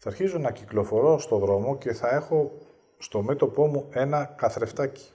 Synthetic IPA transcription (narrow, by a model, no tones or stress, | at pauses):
θɐːɾçizonɐciklo̞fo̞ɾo̞st̪o̞ðɾo̞mo̞ce̞θɐe̞xo̞ | st̪o̞me̞t̪o̞po̞mue̞nɐkɐθɾe̞ft̪ɐci̥